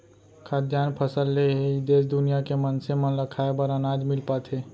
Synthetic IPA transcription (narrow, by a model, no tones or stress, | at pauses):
kʰaːd̪jaːnpʰəsəlːeɦeid̪eːsd̪ʊnijakemənsemənləkʰaːebəɾənaːd͡ʒmɪlpat̪ʰeː